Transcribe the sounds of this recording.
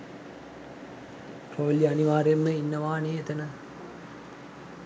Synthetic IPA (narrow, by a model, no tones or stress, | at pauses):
proːljɐniʋaːɾemːəinːəʋaːneːet̪ənə